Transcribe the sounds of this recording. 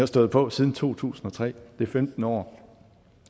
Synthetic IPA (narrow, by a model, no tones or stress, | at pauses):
hɑsd̥ɔ̽ːð̩ˠpʰɒ̽siːð̞ˠn̩t͡sʰo̝̰ːt͡sʰṵːsn̩ɒ̽t͡sʰʁɛ̰ːd̥e̝femd̥n̩ɒ̰ː